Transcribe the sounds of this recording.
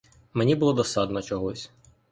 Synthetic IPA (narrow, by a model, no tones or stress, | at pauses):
menʲibʊlˠɔd̪ɔsɑd̪nɔt͡ʃɔɦɔsʲ